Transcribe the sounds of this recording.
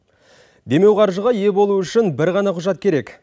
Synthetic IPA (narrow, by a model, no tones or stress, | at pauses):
d̪e̞me̞wqʰɑɾʒəʁɑje̞bo̞lˠuʏʃɪnbɪɾʁɑnɑqʰʊʒɑt̪̚kʲʰe̞ɾe̞k